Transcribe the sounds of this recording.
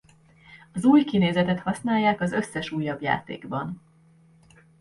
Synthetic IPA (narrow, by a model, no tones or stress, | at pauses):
ɒzuːjkineːzɛt̪ɛt̪hɒsnaːjːaːkɒzø̞sːɛʃuːjːɒbja̰ːt̪ḛːɡbɒn